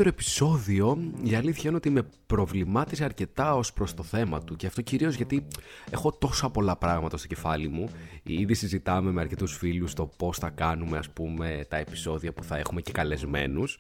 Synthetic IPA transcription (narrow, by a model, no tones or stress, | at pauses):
ɾoepi̥so̞ðio̞iɐliθçɐineot̪iimepɾo̞vlimɐt̪is̬ɐɾce̞t̪ɐo̞spɾo̞st̪o̞θe̞mɐt̪uceɐft̪o̞ciɾio̞zʝɐt̪ie̞xo̞t̪o̞sɐpo̞lɐpɾɐɣmɐt̪ɐst̪oce̞fɐlimuiðisizit̪ɐme̞meɐɾce̞t̪usfilust̪o̞po̞sθɐkɐnume̞ɐspume̞t̪ɐepi̥so̞ðiɐpuθɐe̞xume̞ce̞kɐle̞zme̞̰nus